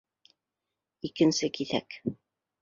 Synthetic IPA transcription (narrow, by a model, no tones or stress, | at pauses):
ikɘ̆nsɘkiθæ̰k